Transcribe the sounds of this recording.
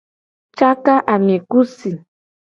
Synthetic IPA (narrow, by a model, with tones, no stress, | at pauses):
t͡ʃa˦ka˦ʔa˨m˨e˨ku˦si˨